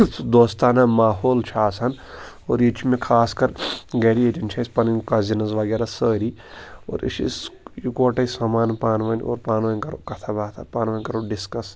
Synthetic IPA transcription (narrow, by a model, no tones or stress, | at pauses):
d̪oːst̪aːnamaːɦoːlt͡ʃʰaːsʰɐn | oːɾjit͡ʃʰimẽkʰaːskɐɾɡeɾieʈint͡ʃʰɐsʲpɐnkɐzinɐzʋaːɡeɾasəːɾiː | o̰ːɾḭʃʰḭsjukoːʈɐsamaːnpaːnʋɐnʲo̰ːɾpaːnʋɐnʲkɐɾo̰ːkɐt̪ʰabaːt̪ʰa̰paːnʋaːnʲkɐɾoːɖiskɐs